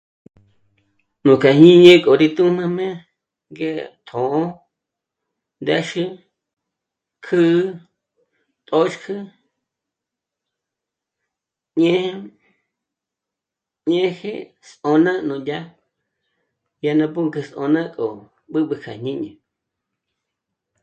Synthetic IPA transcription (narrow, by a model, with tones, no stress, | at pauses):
nũ˨ka˨ɲĩ˦ɲẽ˦kʼo˨ɾi˧t̪u˦mã˦mẽ˦ | ŋɡe˦t̪ʰõ˨ʔõ˦ | nd̪a˦ʃɨ˦ | kʰɨ˦ | t̪ʼo˦t͡ʃkʰɨ˦ | ɲẽ˦h | ɲẽ˦hḛ˦ | sõ˧nã˦nũ˨dʲa˦ | ja˧nã˧p̬u˦ŋkɨ˧sʔõ̰˧nã˦kʼo˨ | ɓɨ˦ɓɨ˧kʰa˨ɲɲĩ˦ɲḛ̃˨